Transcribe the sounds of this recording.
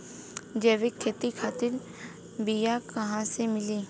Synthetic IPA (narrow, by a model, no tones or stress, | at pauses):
d͡ʒeːʋekʰːeːt̪ikʰaːt̪ɪɾ | bijakɐɦãsemɪliː